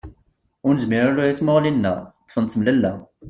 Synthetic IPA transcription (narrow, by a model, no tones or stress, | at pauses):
ʊɾnəzmɪɾalujiθmoʁlinːæ̰t̪ˤːfənt̪əmlælːæ